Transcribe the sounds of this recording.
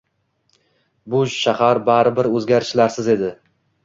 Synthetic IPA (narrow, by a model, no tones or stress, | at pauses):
bʊʃahaɾbaɾɪbɪɾɵzɡʲaɾɪʃlaɾsɪze̞d̪ɪ